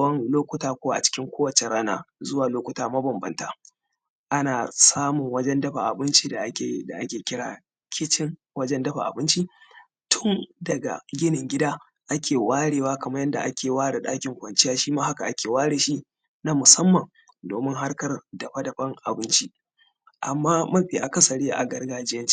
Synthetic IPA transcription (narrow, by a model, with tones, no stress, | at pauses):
wɐ˦nloː˦kʷʊ˨taː˦kʷoː˦wa˦a̰˨t͡ʃɪ̥˦kʲɪ˦ŋkʷoː˦wɐ˨t͡ʃe˨ɽaː˦na̰ː˦zʊ˦waː˨loː˦kʷʊ˨taː˦mɐ˦bɐ˨mbɐ̰˨ntaː˦ | ʔa˦naː˨saː˦mʊ˨ŋwɐ˦d͡ʒɛ˦ndɐ˦ɸa˨ʔa̰˨bɪ˦nt͡ʃi˦da˨ʔa˦kʲe˨˦da̰˨ʔa˦kʲeː˨kʲɪ˦ɽa̰ː˨ | kʲʰɪ˦t͡ʃɪ˦ŋ | wɐ˦d͡ʒɛ˦ndɐ˦ɸa̰˨ʔa̰˨bɪ˦nt͡ʃi˦ | tʊ˦ndɐ˨ɡa̰˨ɡʲɪ˦nɪ˨ŋɡʲɪ˦daː˦ | ʔa˦kʲeː˨waː˦ɽeː˨waː˦kɐ˨mɐ˦jɛ˦nda̰˨ʔa˦kʲʰeː˨waː˦ɽe˨ɗaː˦kʲɪ˨ŋkʷɐ˨nt͡ʃɪ˦jaː˦ʃiː˦maː˦ha˦ka˨ʔa˦kʲeː˨waː˦ɽeː˨ʃi˦ | na˦mʊ˨sɐ˦mːɐ˨ŋ | doː˨mɪ˦ŋɦa˦rkɐ˨rdɐ˨ɸɐ˦dɐ˨ɸɐ˦ŋʔa̰˨bɪ˦nt͡ʃi˦ | ʔa˨mːaː˦mɐ˦ɸiː˨ʔa˨kɐ˦sɐ˨ɽeː˦ʔa̰˨ɡɐ˦rɡaː˦d͡ʒɪ˦jɐ˦nt͡ʃi̥˦